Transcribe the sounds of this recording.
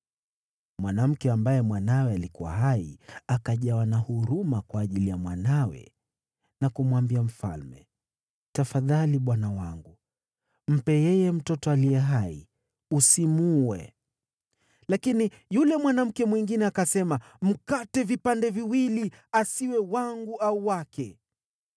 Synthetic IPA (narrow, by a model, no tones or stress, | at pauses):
mwanam̩kɛambajɛmwanawɛalikuwa̰ɦaiakaʄawanahuɾumakwaːʄilijamwanawɛ̰ | nakumwambiam̩fa̰lmɛ̰ | tafaðaliɓwanawaŋɡu | m̩pɛjɛjɛm̩tɔtɔalijɛɦaḭ | usimuwɛ | lakini | julɛmwanam̩kɛmwiŋɡinɛakasɛma | m̩katɛvipandɛviwili | asiwɛwaŋɡuʔauwakɛ